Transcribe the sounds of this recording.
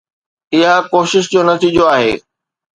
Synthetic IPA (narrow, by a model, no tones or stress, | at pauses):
ɪɦakoːʃɪʃ̬d͡ʑoːnɐt̪ʰiːd͡ʑoaːɦḛː